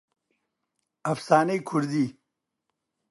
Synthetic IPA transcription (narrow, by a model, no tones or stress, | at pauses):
ɐfsɑːnejkʰuɾd̪i